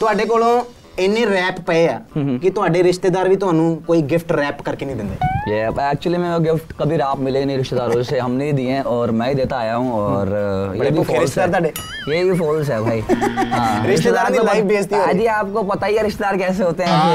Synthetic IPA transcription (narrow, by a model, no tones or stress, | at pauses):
t̪ʊaːɖeːk̬oːlõː | enːẽːɾɛːppəeaːkɪt̪ʊaːɖeːɾɪʃt̪eːd̪aːɾʋiːt̪ʊɦaːnũːkoːiːɡɪfʰʈɾɛːpkəɾkeːnəĩːd̪ɪ̃nd̪ḛːjɛːɛːk̚t͡ʃʊəliːmɛ̃ːoɡɪfʈkəbʱiɾaːpmɪleːnə̃ĩːɾɪʃt̪eːd̪aːɾõːd͡ʒseɦəmneːiːd̪iːẽːʔɔːɾmɛ̃ːid̪et̪aaːjaːɦũːɔːɾjeːbʱifɪʃsteaːɾt̪aːɖeː | jeːbiːfoːls̬ɛːbʱaaːiːɦãɾɾɪʃt̪eːd̪aːɾiolaːikbeːt͡ʃd̪iːod͡ʒiːaːp̚kopət̪aːiɛːɾɪʃt̪eːd̪aːɾkɛːseɦoːt̪eɦɛ̃ː